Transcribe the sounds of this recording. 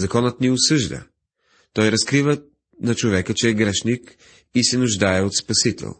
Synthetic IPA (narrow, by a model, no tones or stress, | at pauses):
zɐkɔnət̪nɛʊsɤʒd̪ə̰ | t̪ɔjɾɐskɾivə | nɐt͡ʃovɛkət͡ʃɛːɡɾɛʃnik | isɛnʊʒd̪aɛot̪spɐsit̪ɛ̰lˠ